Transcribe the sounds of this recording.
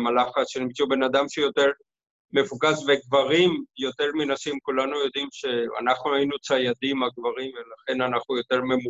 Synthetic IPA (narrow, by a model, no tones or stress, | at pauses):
malaχatʃenimt͡sube̞nad̪amʃejo̞t̪e̞ʁ | me̞vukasveɡvaʁimjo̞t̪e̞ʁminasimkulanujo̞d̪imʃe̞a̰naχnuajinut͡sajad̪imaɡvaʁimvelaχe̞nanaχnujo̞t̪e̞ʁmemu